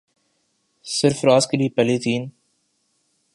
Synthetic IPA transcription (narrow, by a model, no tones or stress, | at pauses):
sɪɾfɾaːskəɾiːpɛliːt̪ʰiːn